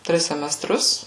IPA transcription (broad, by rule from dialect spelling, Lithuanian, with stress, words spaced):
ˈtʲrʲɪs sʲɛmʲɛˈstrʊs